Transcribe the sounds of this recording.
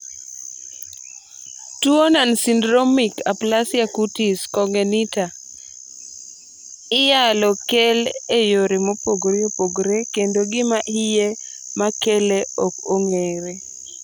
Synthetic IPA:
tuonansindɾomikaplasjakutiskɔŋɡenita | ɪjalɔkelejoɾɪmopoɡɾɛopoɡɾekendoɡɪmaʔijemakeleokoŋeɾe

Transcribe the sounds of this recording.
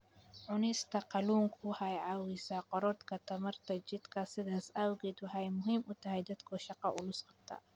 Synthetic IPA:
ʕʊnɪst̪ʰɐqɑluːŋkʰʊhajʕɑwisaqɔɾɔt̪kʰɐt̪ʰɐmɐrt̪ʰɐt͡ʃɪd̪kʰɐsɪðaːsaːwɣɛːd̪ʊɦajmʊɦiːmʔʊt̪ʰɐɦɛjd̪ɐd̪kʰɔʃɑqɑʔʊlʊsqɐbt̪ʰa̰ː

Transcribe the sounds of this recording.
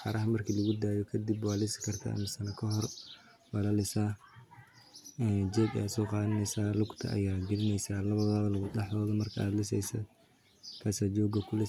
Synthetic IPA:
ħɑɾɐɦɐmɐrkʰilɐɣʊd̪aːjɔkʰɐd̪ɪbwaːlɪsɪ̥kʰɐrt̪ʰa̰ːʔmɪsɐnɐkʰɐɦɔr | wɑlɐlɪsaː | ɛːd͡ʒɛːɡjaːsɔːqɑːðɐnɛjsaːlʊɡt̪ʰɐ̰ʔɐ̰jaːɡɪlɪnɛjsaːlɐβɐðaːβɐlɐɣʊɐħðɔːðɐmɐrkʰɐa̰ːd̪lɪs̬ɛjsɐ̰d̪ | kʰaːsaːd͡ʒɔːɡɐkʰʊlɪ

